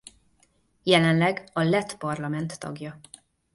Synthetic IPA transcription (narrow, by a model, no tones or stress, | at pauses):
jɛlɛnlɛɡɒlɛt̪pɒrlɒmɛnt̪ːɒ̰ɡjɒ